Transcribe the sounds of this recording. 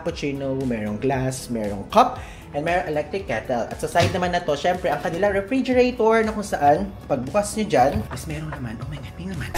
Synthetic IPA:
pot͡ʃinowmɛːɹoŋɡlasmɛːɾo̰ŋkɐp̚ | ʔɛ̃nmɛːɾoŋʔɛlɛk̚t̪ɾɪkːɛt̪ɛlɐ̰t̪sɐsajd̪nɐmanːɐt̪o̞ʃɛmpɾɛʔɐŋkɐnɪlaɾɛfɹid͡ʒɛɾet̪oɹnɐkʊŋsɐʔanpɐɡ̚bʊkasɲɐd͡ʒanismɛɾoŋnɐmanʔomɐjŋɐt̪ɪŋnɐman

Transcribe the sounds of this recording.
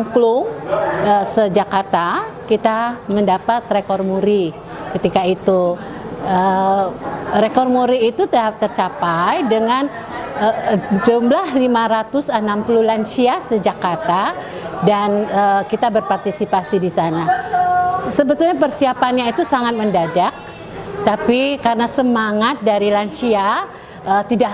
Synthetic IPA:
klʊŋəsəd͡ʒakart̪akit̪aməndapat̪rekɔrmuɾi | kət̪ikait̪u | ə | rekɔrmuɾiːt̪ut̪t̪ərt͡ʃapajdəŋan | əd͡ʒumblahlimaɾat̪ʊsənampululansiasəd͡ʒakart̪a | danəkit̪abərpart̪isipasidisana | səbət̪ulɲapərsiapanɲait̪usaŋat̪̚məndadak̚ | t̪apikarənasəmaŋat̪̚daɾilansia | ət̪ida

